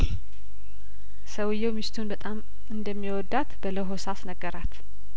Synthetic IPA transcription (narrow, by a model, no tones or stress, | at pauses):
səwɨjːɛwmist̪ʰunbət̪ʼam | ɨnd̪əmːiwɔd̪ːat̪bələɦosasnəɡːəɾat̪